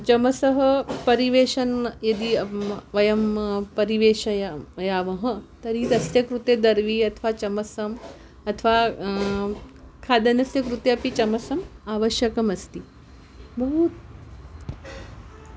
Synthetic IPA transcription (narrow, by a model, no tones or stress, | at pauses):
t͡ʃɐmɐsɐɦɐpɐɾiʋeːʃɐnjɐd̪iɐʋɐjɐmpɐɾiʋeːʃɐjjaːʋɐɦɐ̆t̪ɐɾid̪ɐst̪jɐkɾut̪jed̪ɐɾʋiɐt̪ʰʋaːt͡ʃɐmɐsɐm | ɐt̪ʰʋa | kʰaːd̪ɐnɐsjɐkɾut̪jɐpit͡ʃɐmɐsɐmaːʋɐʃjɐkɐmɐst̪i | bɐɦut̪̚